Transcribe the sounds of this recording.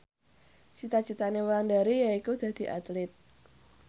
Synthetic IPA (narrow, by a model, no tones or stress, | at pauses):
t͡ʃit̪at͡ʃit̪anewlanɖaɾijaikud̪̥ä̤d̪̥i̤ʔa̰t̪lɪt̪̚